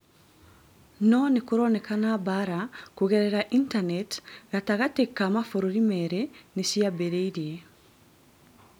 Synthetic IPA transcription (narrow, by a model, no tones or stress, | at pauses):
nɔnekuɾonɛkanabaɾakuɣɛɾɛɾaʔintanɛtɣataɣatekːamafoɾoɾimɛɾɛnesiabeɾeiɾie